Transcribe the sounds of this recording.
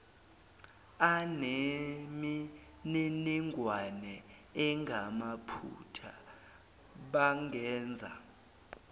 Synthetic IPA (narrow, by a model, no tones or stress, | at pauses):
an | m | niniŋʱwanɛ | ɛŋɡʱamapʰṵtʰa | ɓaŋɡʱɛːnd͡zʱa̰